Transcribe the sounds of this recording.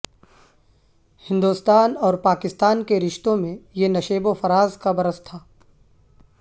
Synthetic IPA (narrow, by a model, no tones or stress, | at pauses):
hɪ̃nd̪uːst̪aːnɔːɾpaːkɪst̪aːnkeɾɪʃt̪õmẽjenɐʃeːbofɐɾaːzkabɐɾəst̪ʰaː